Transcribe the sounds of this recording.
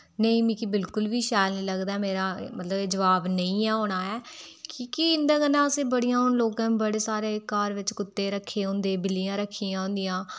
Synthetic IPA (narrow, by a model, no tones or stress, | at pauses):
nəĩːmĩːkibɪlkʊlʋiːʃaːjlnĩːləɡd̪aɛːmeːɾaːmət̪ləbeːd͡ʒəʋaːbnəĩːɛːɦoːɽ̃aːɛːkiːkɪɪnd̪ãːɡənãːəsẽːbəɽijãːɦʊnloːɡãːbəɽeːsaːɾeːkaːɾʋɪt͡ʃkʊt̪ːeːɾəkʰːeːõːnd̪eːbɪlijãːɾəkʰːiːãːʊ̃nd̪ɪjãː